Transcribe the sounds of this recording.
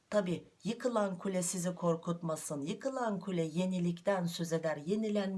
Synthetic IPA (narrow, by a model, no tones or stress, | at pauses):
t̪ʰɑbi | jəkɨlˠɑŋkʲʰylesɪzɪkʰo̞ɾkut̪mɑsɯnjəkɨlˠɑŋkʲʰyleje̞nilɪkʲt̪ænsɵzed̪æɾje̞nɪlæn